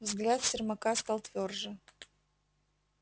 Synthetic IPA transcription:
vzɡlʲat̪sʲɪrmɐkaskɐlˠt̪vʲorʐɨ

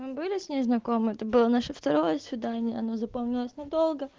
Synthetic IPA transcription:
mɨbɨlʲɪsʲnʲeznɐko̞mɨɛt̪əbɨlˠənaʂəft̪ɐɾo̞jəəsvʲɪd̪anʲɪjəɐno̞zɐpomnʲɪlˠəsʲnɐd̪o̞lˠɡə

